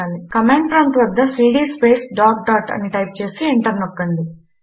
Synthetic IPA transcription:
aːlikɐmeːɳɖpʰɾɐɳʈʋɐd̪ːɐsiːɖiːspeːsɖaːk̚ɖaːʈɐ̰nːiʈɐjp̚t͡ʃe̞ːsieɳʈɐɾnokːɐɳd̪i

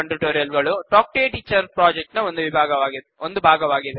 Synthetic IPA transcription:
ɐɳʈuʈoːɾijɐlɡɐɭuʈaːk̚ʈeːʈiːt͡ʃɐɾʈpɾaːd͡ʒek̚ʈnɐond̪uʋibʱaːɡɐʋaːɡid̪eond̪ubʱaːɡɐʋaːɡiðe

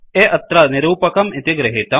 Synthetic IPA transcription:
eʔɐt̪ɾɐnɪɾuːpɐkɐmɪt̪iɡɾɐɦit̪ɐ

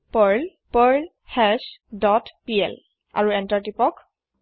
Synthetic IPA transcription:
pəɹl | pəɹl | hɛsdɔtpiɛ̰l | a̰ɹuɛntaɹtipɔk

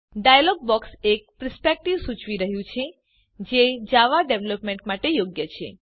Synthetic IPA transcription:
ɖajalɔɡ̚bɔksek̚pɾəspek̚ʈiʋsut͡ʃʋiɾəɦjũt͡ʃʰe | d͡ʒed͡ʒaʋaɖeʋləpmẽɳʈmaʈejoɡjət͡ʃʰḛ

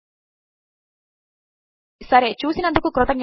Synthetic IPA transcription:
sɐɾeːt͡ʃuːsinɐnd̪ukukɾɔt̪ɐŋ

